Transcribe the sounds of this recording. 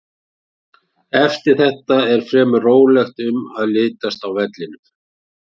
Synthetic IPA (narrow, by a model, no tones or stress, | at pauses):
ɛft̪ɪɾ̥θɛht̪aɛɾ̥fɾɛːmʏroːwlɛxt̪ʏmaðlɪːt̪ast̪awvɛt̪lɪnʏm